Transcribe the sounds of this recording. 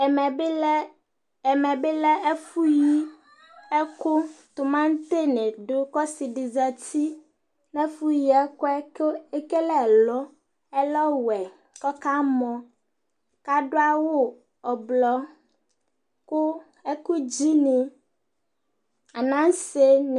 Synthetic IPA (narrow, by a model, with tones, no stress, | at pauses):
mɛ̃˨be˦lɛ˦ɛ˦fu˦ji˦ | ɛ˦ko˦t̪o˨mã˦ŋ˦t̪e˦ne˨ɖo˦kɔ˦si˨ɖi˨za˨t̪i˦ | nɛ̃˦fu˦ji˦ɛ˦kɔ˦e˦ke˦lɛ˦˨lɔ˦ | ɛ˦lɔ˦wɛ˨ | kɔ˦ka˦mɔ̃˨ | ka˦ɖo˦a˦wo˦ | ɔ˨blɔ˦ | ko˦ | e˦ku˦d͡ʑi˦nĩ˨ | a˨nã˦se˦n˨